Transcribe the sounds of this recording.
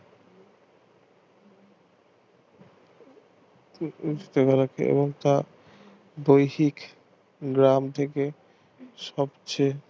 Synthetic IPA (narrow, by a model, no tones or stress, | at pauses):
t̪ekaɾakʰeḛboŋt̪a | bojhik | ɡɾamt̪ʰeke | ʃɔbt͡ɕe